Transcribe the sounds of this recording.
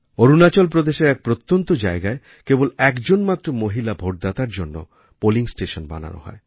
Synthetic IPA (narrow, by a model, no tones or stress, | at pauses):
oɾunat͡ɕolpɾod̪eʃeɾɛk̚pɾot̪ːont̪od͡ʑaeɡae | kebolɛkd͡ʑonmat̪ːɾomoɦilabʱoʈ̚d̪at̪aɾd͡ʑonːo̰ | poliŋsʈeʃonba̰na̰no̰ɦɔ̰e